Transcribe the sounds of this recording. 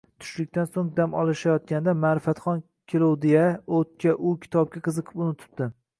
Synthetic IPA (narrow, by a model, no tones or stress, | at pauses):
t̪ʰʊ̥ʃlɪkʲt̪ansoŋd̪amɒ̰lˠɪʃajɒt̪̚kʲand̪amaɾɪfat̪χɒn | kʲʰelowd̪ejaot̪̚kʲʰaʔʊkʲʰɪ̥t̪ʰɒp̚kʲaqʰɨzɨqʰɨ̥pʊnɪt̪ʰɪ̥p̚d̪̥ɪ